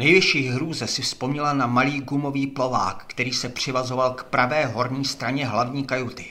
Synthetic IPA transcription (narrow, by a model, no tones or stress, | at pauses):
nɛjvɪʃiːɣɦɾuːzɛsɪfspo̞mɲɛlanamaliːɡumo̞viːplo̞va̰ːkːt̪ɛɾiːsɛpr̝̥ɪvazo̞valkpɾavɛːɦo̞ɾɲiːst̪ɾaɲɛɦlavɲiːkajut̪ɪ